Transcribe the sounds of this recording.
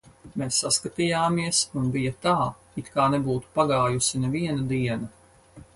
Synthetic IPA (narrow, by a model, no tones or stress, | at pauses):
meːsːaskat̪ijaːmiɛsunbijɐt̪aː | it̪kaːnɛbuːt̪u̥paɡaːjusinɛviɛnɐd̪iɛnɐ